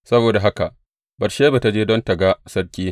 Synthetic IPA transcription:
sɐ˦boː˨da˨ɦa˦ka˨ʔ | bɐ˨rʃeː˦ba˨ta˨˦d͡ʒeː˦dɔ˦ntɐ˨ɡa˦sɐ˦rkʲiː˦

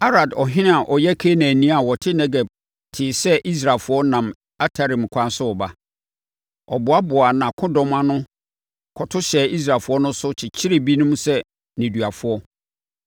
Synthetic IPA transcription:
a˦ɾa˨dɔ˨ɦɪ̃˦nɪ̃˦a˨ʔɔ˨jɛ˦kʰe˦nã˨nĩ˦a˨wɔ˨tʰɪ˦nɛ˦ɡɛ˨b̚ | tʰɪː˨sɛ˦ʔi˦s̬ɾa˨lfʊ˦ɔ˦nã˨m | a˦tʰa˨ɾĩ˨m˨kʷʰã˦n˦sʊ˦ɔ˨ba˦ | ɔ̰˨bʊ˨˦a˦bʊ˨a˨nã˨kʰʊ̃˦dɔ̃˦mã˦nʊ̃˦ | kʰɔ˨tʰʊ˦ɕɛ˨i˦s̬ɾaː˨fʊ˨˦ɔ˦nʊ̃˦sʊ˦t͡ɕʰɪ˨t͡ɕʰɪ˦ɾɪ˨bi˦nʊ̃˦m˦sɛ˦ | nĩ˨du˨a˨fʊ˨˦ɔ˦

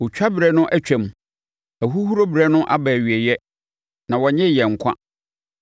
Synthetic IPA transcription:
wʊ˨t͡ɕᶣa˦bɾɛ˦nʊ̃˦ʔæ˦t͡ɕᶣɛ̃˨m˨ | æ˨ɦu˦hu˦ɾo˦bɾɛ˦nʊ̃˦ʔa˦bɛ˨ɥi˨ɛ˨jɛ˦ | nã˨wɔ˨ɲɛ̃˦˨jɛ˨ŋ̩˨kʷʰã̰˦

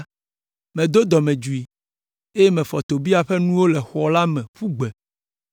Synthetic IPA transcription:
mɛ̃˨d̪o˦d̪ɔ˨mɛ̃˨d͡ʒu˨i˨ | e˦je˦mɛ̃˨fɔ˨t̪o˨bi˦a˨ɸɛ˦nũ˦wo˦lɛ˨xɔ˨la˦mɛ̃˨ɸu˦ɡ͡bɛ˨

